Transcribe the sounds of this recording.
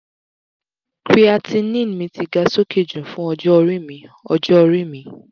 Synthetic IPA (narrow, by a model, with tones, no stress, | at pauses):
kɾi˦a˧ti˧˦nĩ˦˨n˨˦mĩ˧ti˧ɡa˧so˦ke˦˨d͡ʒũ˨fũ˦ɔ˧d͡ʒɔ˦ɔ˧ɾi˦˨mĩ˧˦ɔ̰˧d͡ʒɔ˦ɔ˧ɾi˦˨mĩ˨˦